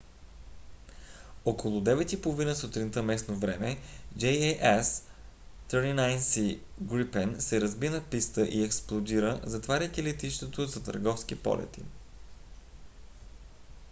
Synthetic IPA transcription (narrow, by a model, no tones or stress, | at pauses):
okolˠʊd̪ɛvɛt̪ipolˠovinəsot̪ɾint̪əmɛsnovɾɛmɛd͡ʒɛjɛʔɛs | t̪ɾinajnsi | ɡɾipɛnsɛɾəzbinɐpist̪əʔiɛksplˠod̪iɾəzɐt̪vaɾʲəkʲilɛt̪iʃt̪ot̪ozɐt̪ə̰ɾɡɔfskipɔ̰lʔɛ̰t̪ḭ